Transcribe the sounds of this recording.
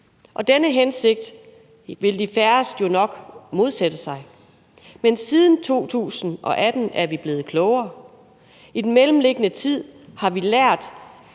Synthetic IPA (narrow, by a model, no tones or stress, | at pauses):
ʔɒ̽d̥enəɦense̝ɡ̥̚d̥ | ʋe̝ld̥ifæɐsd̥jo̝nɒ̽ɡ̥mo̝ð̞ˠsed̥əsɑ̈ɪ | mensið̞ˠn̩t͡sʰo̝̰ːt͡sʰṵːsn̩ʔɒ̽ʔæd̥n̩ʔæɐʋib̥le̝ːð̩ˠkʰlɔʊɐː | id̥enmelm̩le̝ɡ̥ənət͡sʰið̞̰ˠhɑ̈ʋilæɐ̰d̥